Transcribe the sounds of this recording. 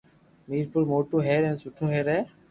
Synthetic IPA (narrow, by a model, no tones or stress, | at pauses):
miːɾpʊlmoːʈũːɦeːɾɛ̃ːsʊʈʰũːɦeːɾɛː